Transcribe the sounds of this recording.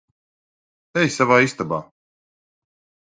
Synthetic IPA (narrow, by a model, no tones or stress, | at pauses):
ɛjsavaːist̪abaː